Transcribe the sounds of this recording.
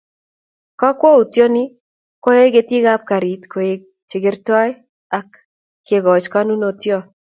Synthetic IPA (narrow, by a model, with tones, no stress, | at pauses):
kɔ˦kwo˦u˨tjo˦nɪ˦ | ko˦e˦ɡe˦ti˦ɡa˦p̚ka˨ɾi˨t̪kʰo˨je˨ | t͡ʃɪ˨ɡɪ˦rtɔ˦j | a˨kː | e˨ɡɔ˨t͡ʃka˦nu˦no˨tjo˦